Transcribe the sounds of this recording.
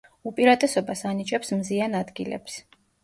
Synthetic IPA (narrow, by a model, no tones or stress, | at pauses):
upʼiɾat̪ʼɛsɔbasanit͡ʃʼɛpsmzianad̪ɡilɛ̰ps